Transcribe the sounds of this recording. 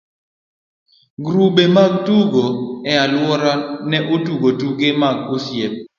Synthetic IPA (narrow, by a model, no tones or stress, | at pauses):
ɡɾubemaɡ̚tuɡoɛalwɔɾanɛʔotuɡotuɡemaɡ̚osjep̚